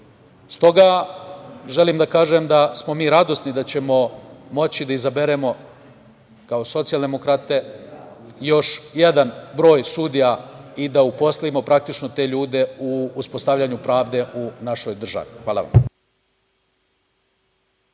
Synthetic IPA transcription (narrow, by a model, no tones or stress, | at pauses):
st̪o̞ɡa | ʒe̞limd̪akaːʒe̞md̪asmo̞miːɾad̪o̞snid̪at͡ɕe̞mo̞mo̞t͡ɕid̪aizabe̞ɾe̞mo̞ | kao̞so̞t̪sijald̪e̞mo̞kɾat̪e̞ | jo̞ʃjed̪anbɾo̞ːjsud̪ijaid̪aupo̞slˠaimo̞pɾak̚t̪it͡ʃno̞t̪e̞ːʎuːd̪e̞uːspo̞st̪aʋʎaɲupɾaːʋd̪e̞ʔunaʃo̞jd̪r̩ʒa̰ʋixʋaːlˠa̰ʋa̰m